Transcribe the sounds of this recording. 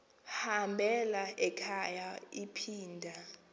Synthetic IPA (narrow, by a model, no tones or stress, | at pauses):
hambʱɛlaʔɛkʰajaipʰiːndʱa